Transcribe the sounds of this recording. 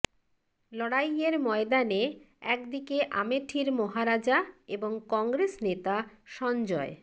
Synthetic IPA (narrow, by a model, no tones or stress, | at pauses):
lɔɽajeɾmɔed̪ane | ɛkd̪ikeʔameʈʰiɾmoɦaɾad͡ʑaeboŋkɔŋɡɾesnet̪aʃɔnd͡ʑɔe